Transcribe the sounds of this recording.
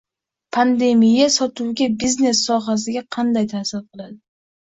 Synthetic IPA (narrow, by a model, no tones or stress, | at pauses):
pʰand̪e̞mijasɒt̪ʰuwɡʲabizne̞sːɒɦas̬ɪɡʲaqʰɑnd̪ajt̪ʰahsɪɾqɨlˠad̪ɪ